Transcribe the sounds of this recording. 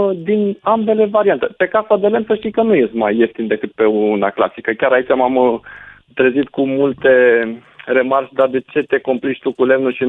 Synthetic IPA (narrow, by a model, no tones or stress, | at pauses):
d̪inambe̞le̞vaɾiant̪e̞pe̞kasad̪e̞le̞msəʃt̪ijkənuje̞st̪majːe̞ft̪ind̪e̞kɨt̪̚pe̞uunakla̰sikəkʲaɾait͡ʃamam | t̪ɾezit̪kumult̪e̞ | re̞mart͡ʃʲd̪ard̪e̞t͡ʃe̞t̪e̞komplit͡ʃʲt̪ukule̞mnuʃi